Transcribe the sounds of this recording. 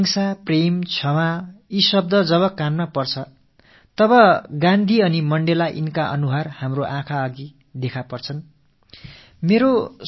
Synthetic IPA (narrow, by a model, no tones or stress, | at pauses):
ŋsapremt͡sʰʌwaisʌb̚d̪ʌd͡zʌβʌkamːapʌrt͡sʰʌ | t̪ʌβʌɡãnd̪ʱiʌnimʌɳɖelaʔinkaʔʌ̰nuɦarhamroʔãkʰaʌɡi | d̪ekʰapʌrt͡sʰʌn | meɾo